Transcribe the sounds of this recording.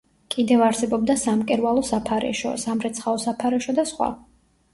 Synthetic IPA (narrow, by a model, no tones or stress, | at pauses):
kʼid̪ɛvaɾsɛbɔb̚d̪asamkʼɛɾwalˠɔsapʰaɾɛ̰ʃɔ̰samɾɛt̪sχaɔsapʰaɾɛʃɔd̪asχwa̰